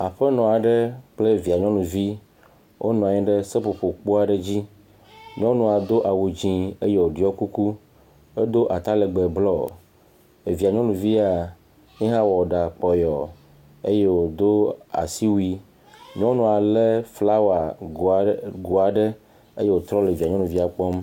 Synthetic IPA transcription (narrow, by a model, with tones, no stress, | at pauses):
a˨ɸɛ˦nɔ̃˨a˨ɖe˦k͡ple˦vi˨a˨ɲɔ̃˦nũ˨vi˦ | wʔo˦nɔ̃˨a˨ɛ̃˦ɖe˦se˦po˨ɸo˨k͡po˦a˨ɖe˦d͡ʑi˦ | ɲɔ̃˦nũ˨a˨d̪o˦ʔa˨wu˨d͡ʑĩ˦e˦je˦˨wo˨ɖi˨˦ɔ˦ku˦ku˦ | e˦d̪o˦ʔa˨t̪a˦le˨ɡ͡be˨blɔ˦ | e˨vi˨a˨ɲɔ̃˦nũ˨vi˦a˨ | ɲĩ˦ɦã˦wɔ˨ɖa˨k͡pɔ˨jɔ˨ | e˦je˦wo˨d̪o˦a̰˨si˦wu˦i˦ | ɲɔ̃˦nũ˨a˨le˦fla˦wa˨ | ɡu˨a˨ɖe˦ | ḛ˦je˦wo˨t̪ɾɔ˦le˨vi˨a˨ɲɔ̃˦nũ˨vi˦a˨k͡pɔ˦m